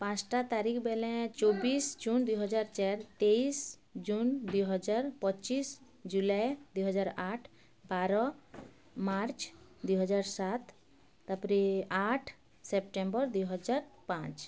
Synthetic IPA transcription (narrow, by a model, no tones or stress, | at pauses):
pãt͡ʃʈat̪aɾikʰbelɛ̃t͡ʃobisd͡ʒund̪ujɦɔd͡ʒaɾt͡ʃɛɾt̪eis | d͡ʒund̪ujɦɔd͡ʒaɾpɔt͡ʃis | d͡ʒulajd̪ujɦɔd͡ʒaɾaʈʰ | baɾɔ | maɾt͡ʃd̪ujɦɔd͡ʒaɾsat̪ː | apɾiaʈʰ | sep̚ʈẽmbɔɾd̪ujɦɔd͡ʒaɾpãt͡ʃ